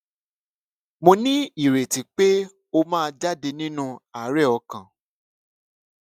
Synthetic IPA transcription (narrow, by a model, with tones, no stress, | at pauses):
mo˧nĩ˦i˨ɾe˨tĩ˨k͡pe˦ | o˧mãː˦˧d͡ʒa˦de˧nĩ˦nũ˦a˨˦ɾɛ˦˨ɔ˧kã˨